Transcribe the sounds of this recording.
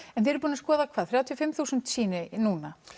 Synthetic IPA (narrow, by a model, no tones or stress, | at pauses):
ɛnθɪɛɾpuːnaskɔːðakʰv̥aːðθɾaːwt̪ʰjɔfɪmθuːsʏnt̪siːnɪnuːna